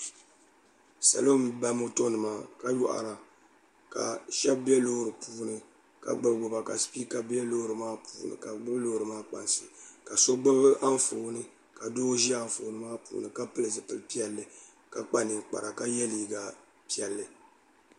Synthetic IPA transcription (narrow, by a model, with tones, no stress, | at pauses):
sa̰˨lo˦m˨˦ba˦mo˦to˦nɨ˨maː˦ka˦ju˦ʔa̰˨ɾa˨ | ka̰˨ʃɛ˦b̚bɛ˦lo˦hɾɨ˨puː˦nɨ˨ | ka̰˨ɡ͡bɨ˦bɡ͡bʊ˨ba˨ka̰˨spiː˦ka˨bɛ˦lo˦hɾɨ˨maː˦puː˨˦nɨ̰˨ka˨ɡ͡bɨ˦blo˦hɾɨ˨maː˦k͡pa̰˨nsɨ˨ka˨so˦ɡ͡bɨ˦bɨ˦ʔa˦ɱ˦fo˨nɨ˦ | ka˨doː˦ʒi˦a˦ɱ˨fo˨˦nɨ˦maː˦pṵː˨˦nɨ˨ka˦pɨ˦lɨ˨zɨ˨pɨ˨lpi˦ɛ˦lːɨ˨ | ka˨k͡pa˦nɨ˨k͡pa̰˨ɾa˨ka˦jɛ˦liː˨ɡa˦ | pi˦ɛ˨lːɨ˨